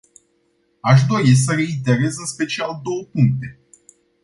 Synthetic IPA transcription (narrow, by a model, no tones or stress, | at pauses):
aʃ̬d̪o̞is̬əɾe̞it̪e̞ɾe̞zɨnspe̞t͡ʃiald̪o̞wəpuŋk̚t̪e̞